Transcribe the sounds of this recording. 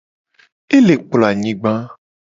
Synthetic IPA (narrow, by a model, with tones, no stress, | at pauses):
e˦le˨k͡plɔ˨a˨ɲĩ˦ɡ͡bã˦